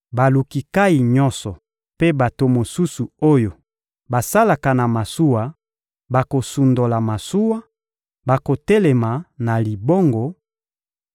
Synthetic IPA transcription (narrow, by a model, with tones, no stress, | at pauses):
ba˨lu˨ki˨ka˦i˨ɲɔ˦nsɔ˨ | pe˦ba˨to˨mo˨su˦su˨o˦jo˨ | ba˨sa˦la˨ka˨na˨ma˨su˦wa˨ | ba˨ko˨su˨ndo˨la˨ma˨su˦wa˦ | ba˨ko˨tɛ˦lɛ˨ma˨na˨li˨bo˦ŋɡo˨